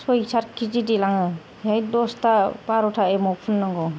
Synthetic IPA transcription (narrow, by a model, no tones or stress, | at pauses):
sɔisaɾkʰid͡ʒidilaŋɯ | jajdɔstapaɾɔtʰaemɔpʰunːɯŋɡɔ